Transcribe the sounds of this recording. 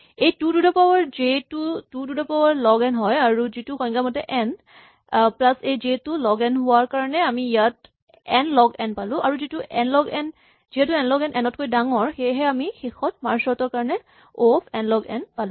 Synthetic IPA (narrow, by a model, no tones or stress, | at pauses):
ejtududɔpawɔɹzetutududɔpawaɹlɔɡɛnɦɔjaɹuzituxɔj̃ŋɡamɔtɛʔɛn | plasejzetulɔɡɛnɦʊwaɹkaɹɔnɛamiijat̚ | ɛnlɔɡɛnpalʊ̃ʔaɹuzituʔɛnlɔɡɛn | ziɦɛtuɛnlɔɡɛnʔɛnɔt̚kojdaŋɔɹxejɦɛamixexɔtmaɹsɔtɔɹkaɹɔnɛ | opʰɛnlɔɡɛnpalʊ̃